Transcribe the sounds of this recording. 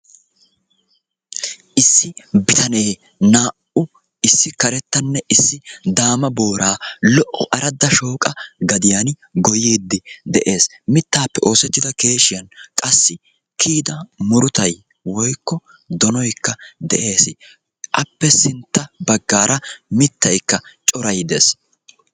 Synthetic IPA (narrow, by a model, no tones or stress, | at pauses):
ʔɪsːɪbɪt̪ɐne̞ː | naːʔʊ | ɪsːɪkɐɾɛt̪ːɐnːɛʔɪsːɪd̪aːmɐboːɾʔaːlɔʔɔʔɐɾɐd̪ːɐʃo̞ːkʼɐɡɐd̪ɪjan | ɡɔjiːd̪ːɪd̪ɛʔe̞ːs | mɪt̪ːaːpːɛʔo̞ːsɛt͡ʃ̪ːɪd̪ɐke̞ːʃɪjɐnkʼɐsːɪ | kʰiːd̪ɐmʊɾʊt̪ɐj | wɔjkːɔ | d̪ɔnɔjkːɐd̪ɛʔe̞ːsɪ | ʔɐpːɛsɪnt̪ːɐbɐɡːaːɾɐmɪt̪ːɐjkːɐt͡ʃʼɔɾɐjd̪eːs